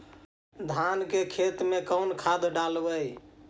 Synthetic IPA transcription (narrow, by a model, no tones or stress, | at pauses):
d̪ʱankekʰet̪mekəwnkʰad̪ɖalbəj